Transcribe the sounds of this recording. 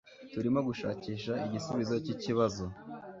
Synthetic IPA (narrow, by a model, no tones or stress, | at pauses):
tuɾimo̞ɡuʃa̰ːciːʃaiɟisuβizo̞ciciβazo̞